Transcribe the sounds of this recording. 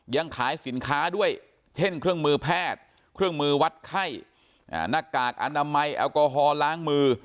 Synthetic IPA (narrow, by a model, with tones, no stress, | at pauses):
ja˧ŋkʰaː˩˦jsi˩˦nkʰaː˦˥du˥˩əj | t͡ɕʰe˥˩nkʰɾɯ˥˩əŋmɯː˧pʰɛː˥˩t̪̚ | kʰɾɯ˥˩əŋmɯː˧wa˦˥t̪̚kʰa˥˩j | ʔa̰˧˩na˧˥˩kaː˨˩k̚ʔa̰˧naː˧ma˧jʔa̰ː˧wkɔː˧ɦɔː˧laː˦˥ŋmɯː˧